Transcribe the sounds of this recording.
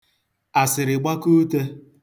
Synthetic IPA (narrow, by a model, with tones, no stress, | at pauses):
a˨sɪ˨ɾɪ˨ɡ͡ba˦ku˦te˦